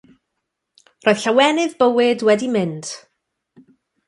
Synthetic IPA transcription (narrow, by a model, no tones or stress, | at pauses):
rʔoːjðɬawɛnɨðbəwɪdwɛdimɪnd̥